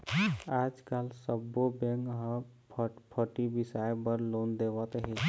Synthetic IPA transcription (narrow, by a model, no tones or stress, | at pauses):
ad͡ʒkalsəbːobeŋkɦə̃ | pʰpʰəʈibisajbəɾlond̪eʋat̪ɦe